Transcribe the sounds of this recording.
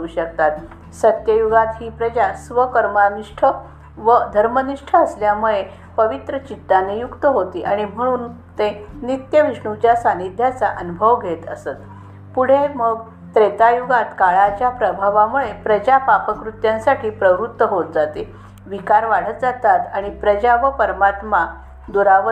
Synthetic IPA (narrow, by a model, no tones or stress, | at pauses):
uɕək̚t̪at̪ | sət̪jəjuɡat̪ɦiːpɾəd͡ʑasʋəkəɾmaniʂʈʰə | ʋəd̪ʱəɾməniʂʈʰəːsljamuɭe | pəʋit̪ɾət͡ɕit̪ːanejukt̪əɦot̪iːʔaɽ̃im̤əɽ̃uːn | t̪enit̪jəʋiʂɳut͡ɕjasanid̪ʱjat͡saʔənubʱəʋɡʱet̪ə̰sət̪ | puɽ̤eməɡ̚ | t̪ɾet̪ajuɡat̪kaɭat͡ɕjapɾəbʱaʋamuɭepɾəd͡ʑapapəkɾut̪jãnsaʈʰiːpɾəʋɾut̪ːəɦot̪̚d͡zat̪e | ʋikaɾʋaɽ̤ət̪d͡zat̪at̪aɽ̃ipɾəd͡ʑaʋəpəɾmat̪ma | d̪uɾaʋə